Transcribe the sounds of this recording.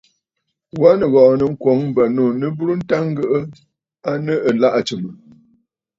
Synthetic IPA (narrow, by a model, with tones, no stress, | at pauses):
wa˦nə˨ɣɔ˨ʔnə˨ŋ̩˦kwɔ˨˦ŋm˦bə˨no˨nə˦bu˦ɾu˦n̩˦ta˦ŋ˦ɡə˦ʔə˦ | a˦nə˦ə˨la˦ʔa˨t͡ʃɨ˨mə˨